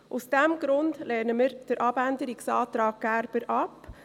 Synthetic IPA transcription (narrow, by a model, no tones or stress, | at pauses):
ʔʊsd̥ɛmɡɾʊndlɛnəməɾd̥əɾʔɑbændəɾɪksɑːtɾɑːɡ̚ɡ̥æɾb̥əɾʔɑp